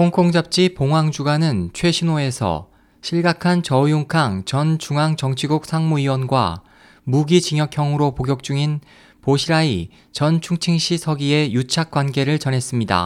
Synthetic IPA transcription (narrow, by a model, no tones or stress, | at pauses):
oŋkʰoŋd͡ʑap̚t͡ɕ͈ipoŋwaŋd͡ʑuɡanɯnt͡ɕʰwe̞ɕʰinoe̞sʰʌ̰ | ɕʰiɭɡakʰant͡ɕʌjuŋkʰaŋt͡ɕʌnt͡ɕuŋaŋt͡ɕʌŋt͡ɕʰiɡuk̚sʰaŋmuiwʌnɡwa̰ | muɡit͡ɕiŋjʌkʰjʌŋɯɾopoɡjʌk̚t͡ɕ͈uŋin | poɕʰiɾai | t͡ɕʌnt͡ɕʰuŋt͡ɕʰiŋɕ͈isʰʌɡie̞jut͡ɕʰak̚k͈wanɡe̞ɾɯɭt͡ɕʌnɦe̞s͈ɯmɲida̰